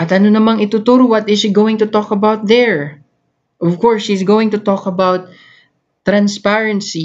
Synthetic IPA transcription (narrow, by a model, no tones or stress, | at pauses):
ʔɐt̪ɐnonɐmaŋɪt̪ʊt̪uɾʊwɐt̪ɪzʃiɡowɪ̃ŋt̪ʊt̪ɔkɐbawt̪̚ðɛɹ | ʔɔvkɔɹshisɡowɪ̃ŋt̪ʊt̪ɔkɐbawt̪̚ː | ɾɐ̃nspaɹɐnsi